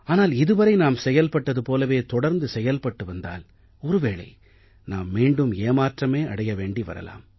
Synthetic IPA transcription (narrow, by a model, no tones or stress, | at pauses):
aːnaːlɪðɯʋɐɾɐɪnaːmsɛjɐlpɐʈːɐðɯpoːlɐʋeːt̪ɔɽɐɾnd̪ɯsɛjɐlpɐʈːɯʋɐnd̪a̰ːl | ɔɾɯʋeːɭɐ̰ɪ | naːmːiːɳɖɯmeːmaːʈrɐmeːɐ̰ɽɐjɐʋeːɳɖiʋɐ̰ɾɐ̰la̰ːm